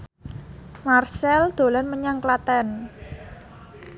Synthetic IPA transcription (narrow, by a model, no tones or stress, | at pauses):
marsɛld̪̥o̤lanməɲaŋklat̪ɛn